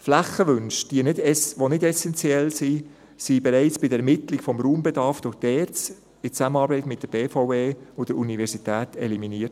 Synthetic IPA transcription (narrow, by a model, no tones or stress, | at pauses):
flæχːəʋʏnʃd̥iənɪdɛsʋonɪdɛsɛnt͡sjɛlsi | sibɛɾaɪt͡sb̥ɪdəɛɾmɪtlɪkfɔmɾuːmbɛdɑɾfd̥ʊχd̥ɛːɾt͡s | ɪt͡sæmənɑːɾbɛɪtmɪt̚d̥əb̥eːfaʊveːʊd̥əɾunivɛɾsitæːtɛ̰liminiːəɾt